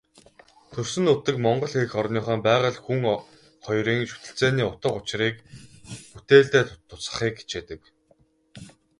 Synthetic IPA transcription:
t̪ʰɵrsɵ̆nut̪ɘ̆kmɔɴɢɞ̆ɮxeɾɘ̆xɔrniːχœːmpæːʁə̆ɮxuŋ | χɔjɾiːŋʃu̥t̪ɘ̆ɬt͡seːniːʊt̪ə̆qʊt͡ɕ̆riːk | put̪eːɮt̪eːt̪t̪ʰʊ̥t͡sə̆χiːk̚ɡe̥t͡ɕeːt̪ɘ̆k

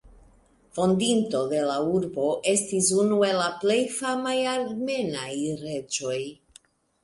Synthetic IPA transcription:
fo̞ndinto̞de̞lauɾbo̞ʔe̞stisunue̞laple̞jfamajaɾme̞najɾe̞d͡ʒo̞j

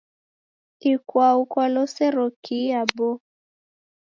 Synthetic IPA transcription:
ikwaukwalɔsɛɾɔkʰiabɔ

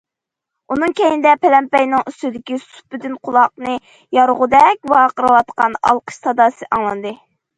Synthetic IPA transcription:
unɨŋkʲɛjinɪd̪ɛpʰɛlɛmpɛjnɪŋyst̪ɪd̪ɪkʲisu̥p̚ːɪd̪ynqʰʊlˠɑq̚nɨ | jɑɾʁʊd̪ɛk̚ʲwɑqəɾɨwɑt̪qɑnɑ̰lˠqʰə̥ʃt̪ɑd̪ɑːsɨʔɑŋlˠɑnd̪ɨ

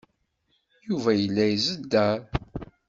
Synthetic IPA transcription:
juvæjəlːæjzəd̪ːæɾ

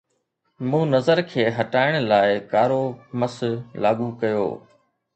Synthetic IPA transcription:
mũːnɐzəɾkʰeːɦɐʈaːɪɽ̃laːɪkaːɾoːməslaːɠuːkɐjo̰ː

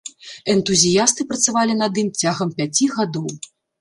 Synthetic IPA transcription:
ɛnt̪uzʲijast̪ɨpɾɐt̪savalʲinɐd̪ɨmt͡sʲaɣɐmpʲat͡sʲiɣad̪ɔw

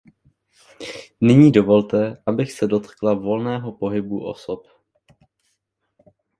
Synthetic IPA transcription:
nɪɲiːdo̞vo̞lt̪ɛʔabɪxsɛdo̞t̪klavo̞lnɛːɦo̞po̞ɦɪbuʔo̞sop

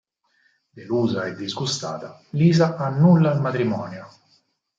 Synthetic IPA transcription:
d̪eluːzaɛd̪ːizɡust̪aːt̪aliːzaʔanːulːailmat̪ɾimɔːnjo

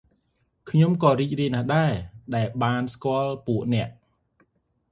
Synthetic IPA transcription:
kʰɲomkɑːriːc̚riəjnaːhɗaɛɗaɛlɓaːnskŏəlpuəʔnɛ̆əʔ

